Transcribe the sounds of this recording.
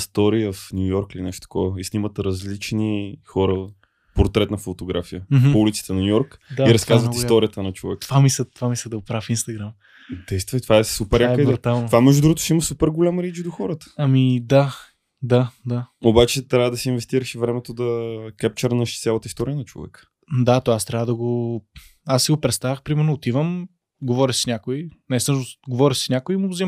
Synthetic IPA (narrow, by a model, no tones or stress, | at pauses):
st̪ɔɾiəfnʲujɔɾkilinɛʃt̪o̥t̪ɐ̥kɔvəisnimət̪ɾɐzlit͡ʃnixɔɾə | poɾt̪ɾɛt̪nɐfot̪oɡɾafijəoulit̪si̥t̪ɛnɐnʲujɔɾkd̪aiɾɐskazvət̪ist̪ɔɾiət̪ənɐt͡ʃovɛ̰k̪vamisət̪ovamislʲɛd̪ɐʊpɾafinst̪ɐɡɾam | d̪ɛjst̪vət̪ovaɛsupɛɾjakədbɾt̪alˠtnovamɛʒd̪ud̪ɾuɡot̪ʊʃɛiməsupɛɾɡolʲamɾit͡ʃd̪oxɔɾət̪ə̥ɐmid̪a | d̪ad̪aobat͡ʃɛt̪ɾʲjavəd̪ɐsɛinvɛst̪iɾəʃivɾɛmɛt̪od̪ɐkɛp̚t͡ʃəɾnəʃt̪sʲjalˠət̪əist̪ɔɾiənɐt͡ʃo̰vɛ̰kə̥ | d̪at̪ovaast̪ɾʲavəd̪ɐɡo | asːiɡopɾɛt̪st̪avəxpɾimɛɾnoːt̪ivəm | ɡovɔɾʲiʃsi̥nʲakoinɛsɤʃnosɡovɔɾʲiʃsi̥snʲakʊimoɡʊzɛm